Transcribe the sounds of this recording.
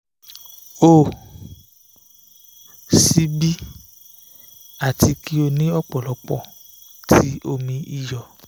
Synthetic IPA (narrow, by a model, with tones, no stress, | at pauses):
o˨ | si˧bi˦ | a˨tʰi˧ki˦o˧nĩ˦ɔ˦k͡pɔ˨lɔ˨˦k͡pɔ̰˦˨ | tʰi˦o˧mĩ˧i˦jɔ˨